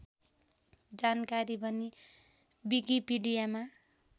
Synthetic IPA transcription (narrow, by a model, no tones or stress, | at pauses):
d͡zankaɾibʱʌni | bikipiɖijama